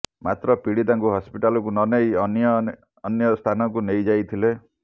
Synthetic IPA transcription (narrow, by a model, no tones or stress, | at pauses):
mat̪ɾɔpiɽid̪aŋkuɦɔspiʈalɔkunɔnejɔnjɔː | njɔst̪ʰanɔkunejd͡ʒajt̪ʰile